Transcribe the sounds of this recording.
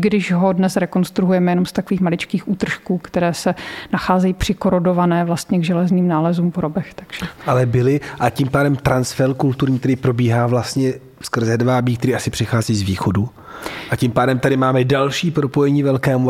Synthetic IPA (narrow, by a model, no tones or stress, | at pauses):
ɡdɪʒɦodnɛsɾɛko̞nst̪ɾuɦujɛmɛjɛnomst̪akoviːxmalɪt͡ʃkiːxʔuːt̪r̩ʃkuːkt̪ɛɾɛːsɛnaxaːzɛjiːpr̝̥ɪkoɾodovanɛːvlast̪ɲɛɡʒɛlɛzniːmnaːlɛzuːmpoɾobɛxt̪aɡ̥ʒ̥ɛʔalɛbɪlɪʔacimpaːdɛmt̪ɾansfɛɾkult̪uɾɲiːkt̪ɛɾipɾo̞biːɦaːvlast̪ɲɛ | fskr̩zɛdvabiːk̚t̪ɛɾiːʔasɪpr̝̥ɪxaːziːzviːxodu | ʔacimpaːdɛmt̪adɪmaːmɛdalʃiːpɾopojɛɲiːvɛlkɛːmu